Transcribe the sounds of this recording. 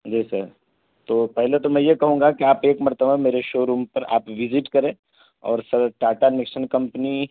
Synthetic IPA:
d͡ʒiːsɐ̰ɾ | t̪oːpɛɦlet̪omɛ̃jekɐɦũːŋɡakiaːpeːkmɐɾt̪əbameːɾeʃoːɾuːmpɐɾa̰ːpʋɪzɪʈkɐɾẽː | ɔːɾsɐɾʈaːʈanɪkʃənkɐ̃mpəni

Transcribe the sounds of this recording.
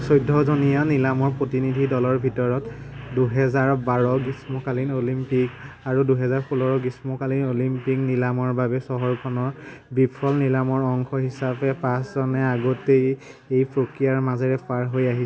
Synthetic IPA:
sojdʱːɔzonijanilamɔɹpɹotinidʱidɔlɔɹbʱitɔɹɔtduɦɛzaɹbaɹɔɡismɔkalinolimpik | aɹuduɦɛzaɹkʰulɔɹɔɡismɔkalinolimpiknilamɔɹbabɛsɔɦɔɹkʰɔnɔɹbipʰɔlnilamɔɹɔŋkxɔɦisapɛpaszɔnɛaɡotej | ejpɹokɹijaɹmazɛɹɛpaɹɦojaɦisɛ

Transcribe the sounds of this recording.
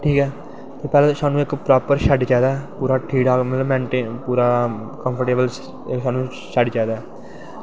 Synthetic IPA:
ʈʰiːkɛː | t̪eːpɛːlɛːsaːnũːɪkpɾaːpəɾʃəɖt͡ʃɛːd̪aːpuːɾaːʈʰiːɖaːkmət̪ləbmɛ̃ːɳʈeːpuːɾaː | kəmpʰəɾʈeːbəl | ksaːnũː | ʃəɖt͡ʃɛːd̪aːɛː

